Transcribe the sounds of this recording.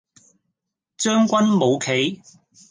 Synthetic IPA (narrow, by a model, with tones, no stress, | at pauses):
t͡ʃœː˥ŋkʷɐ˥nmo˨˧wkʰe˨˥j